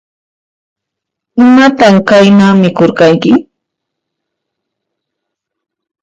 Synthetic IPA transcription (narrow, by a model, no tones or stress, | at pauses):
ɪmat̪amkajnaːmɪkoɾɢɑjkɪ